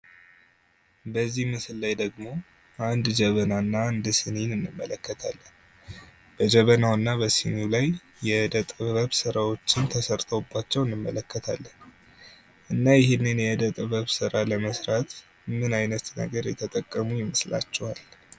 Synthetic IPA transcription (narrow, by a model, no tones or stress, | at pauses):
bəzːihmɨsɨlːajd̪əɡmo̞ | ʔand̪d͡ʒɛβənanːaːnd̪sɨninɨnːɨmːələkːət̪ʰalːən | b̥əd͡ʒɛβənawɨnːabəsinulaj | jɛd̪ət̪ʼβəβsɨɾawo̞t͡ʃːɪnt̪ʰəsəɾt̪ʰəwbːat͡ʃːɛwɨnːɨmːələkːət̪ʰalːən | ʔɨnːajɪhɪnːɨnjɛd̪ət̪ʼβəβsɨɾaləməsɾat̪ | mɨnajnət̪nə̰ɡəɾjɛt̪ʰət̪ʼəkʼːəmujɪmɨsla̰t͡ʃːɛwal